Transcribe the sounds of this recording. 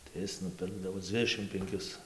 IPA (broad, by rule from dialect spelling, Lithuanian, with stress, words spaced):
tɐɪ ˈɪs nʊˈpʲɪrɡdɐʋoː ˈd͡zʲʋʲɪdʲɛʃʲɪm pʲɛŋʲˈkʲɪs